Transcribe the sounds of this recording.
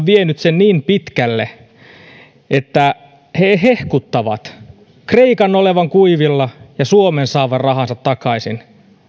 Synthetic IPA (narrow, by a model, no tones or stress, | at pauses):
ʋienyt̪senniːmpit̪kælːḛ | ʔet̪ːæ | heɦehkut̪ːɑʋɑ̰t̪ | kreikɑnːoleʋɑŋkuiʋilːɑjɑsuomensɑːʋɑrrɑɦɑnsɑt̪ːɑkɑisin